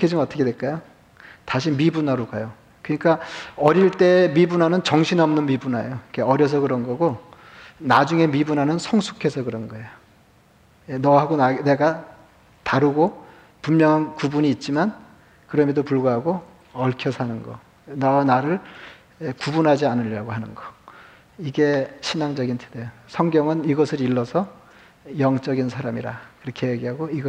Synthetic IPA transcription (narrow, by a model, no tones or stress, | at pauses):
kʰed͡ʑɯmʌt͈ʰʌkʰedwe̞ɭk͈ajo | taɕʰimibunaɾokajo | kɯɲik͈aʌɾiɭt͈e̞mibunɦanɯnt͡ɕʌŋɕʰinʌmnɯnmibunajoikʰeʌɾjʌs̬ʰʌkɯɾʌnɡʌɡo | nad͡ʑuŋe̞mibunɦanɯnsʰʌŋsʰu̥kʰe̞sʰʌkɯɾʌnɡʌe̞jo | jenʌɦaɡonane̞ɡa | taɾuɡo | pummjʌŋɦankubuɲiːt̚t͡ɕ͈iman | kɯɾʌmjʌdopuɭɡaɦaɡo | ʌɭkʰjʌsʰanɯnɡʌ̰ | naanaɾɯɭ | kubunɦad͡ʑianɯʎːaɡoɦanɯnɡʌ | iɡe̞ɕʰinaŋd͡ʑʌɡintʰedejosʰʌŋɡjʌŋɯniɡʌsʰɯɾiɭːʌsʰʌ | jʌŋt͡ɕ͈ʌɡinsʰaɾamiɾakɯɾʌkʰe̞jeɡiɦaɡoiɡʌ